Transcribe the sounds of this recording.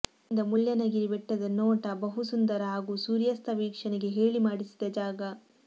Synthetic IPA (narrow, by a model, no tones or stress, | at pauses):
nd̪ɐmuɭjɐnɐɡiɾiʋɛʈːɐd̪ɐnɔːʈɐbɐɦusund̪ɐɾɐɦaːɡusuːɾijɐst̪ʰɐʋiːkʂɐneɡe̞ɦeːɭimaːɽisi̥d̪ɐd͡ʒaːɡɐ